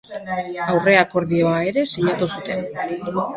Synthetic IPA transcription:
awre̞ako̞ɾðioae̞ɾe̞siɲat̪usut̪e̞n

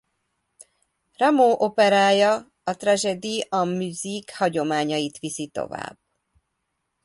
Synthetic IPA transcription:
rɛmoːʔo̞pɛɾaːjɒ | ɒt̪raʒɛd̪iɒmyzikhɒɟo̞maːɲɒjit̪ʋisit̪o̞̰va̰ːb̥

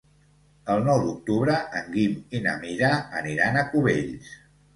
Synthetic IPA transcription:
əlˠnɔwd̪uk̚t̪uβɾəʔəŋɡimina̰miɾaəniɾanəkuβeʎs

